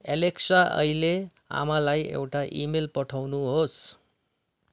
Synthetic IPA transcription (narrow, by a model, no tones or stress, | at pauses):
eleksaʔʌ̰jle | a̰malajḛwʈaʔimelpʌʈʰawnuɦos